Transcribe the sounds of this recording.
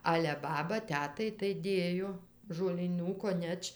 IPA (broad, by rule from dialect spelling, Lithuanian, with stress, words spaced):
ˈɑːlʲɛ ˈbɑːbɐ ˈtʲæːtɐɪ tɐɪ ˈdʲeːjoː ʒoːlʲiːˈnuː koːˈnʲɛt͡ʃ